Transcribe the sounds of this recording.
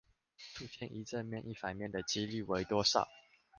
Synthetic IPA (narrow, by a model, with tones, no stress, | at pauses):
ʈ͡ʂʰu˨˧ɕjɛ˥˨nʔi˧˥ʈ͡ʂə˥˧nmjɛ˥˧˨nʔi˥˩fa˨˩nmjɛ˥˨˩nd̪ə˩t͡ɕi˦ly˥˩we˧˥ɪt̪wɔ˥ʂa̰˥˨˩ʊ